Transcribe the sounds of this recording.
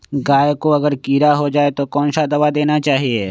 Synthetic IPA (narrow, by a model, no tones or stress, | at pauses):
ɡaːjkoɐɡəɾkiːɾaɦod͡ʒaːet̪okɔːnʃad̪ɐʋad̪eːnat͡ʃaːɦieː